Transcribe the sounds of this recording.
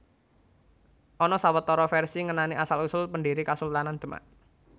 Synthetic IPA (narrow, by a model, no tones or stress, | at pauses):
ʔɔnɔsawət̪ːɔɾɔfɛrsiŋənaniasalusʊlpəndiɾikasult̪anand̪̥ə̤ma̰ʔ